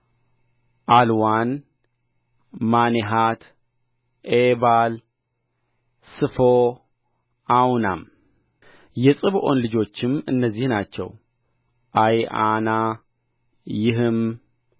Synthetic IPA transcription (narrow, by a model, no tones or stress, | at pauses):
ʔalwan | maneɦat̪ | ʔeβal | sɨfo | ʔawna̰m | jɛsʼɨβʔo̞nlɨd͡ʒo̞t͡ʃːɪmɨnːəzːihnat͡ʃːɛ̰w | ʔaja̰na | jɪɦɨm